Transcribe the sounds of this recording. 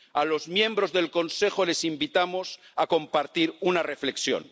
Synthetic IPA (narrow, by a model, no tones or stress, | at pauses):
alo̞zmjẽ̞mbɾo̞zðe̞lko̞nse̞xo̞le̞simbit̪amo̞sako̞mpaɾt̪iɾunare̞fle̞ksjo̰n